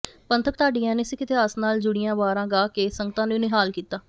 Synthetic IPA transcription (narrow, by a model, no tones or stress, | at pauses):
pənt̪ʰəp̚t̪aːɖijãːneːsɪkɪt̪ɪɦaːsnaːld͡ʒʊɽɪjãːʋaːɾãːɡaːkeːsəŋɡət̪ãːnuneːɦaːlkiːt̪aː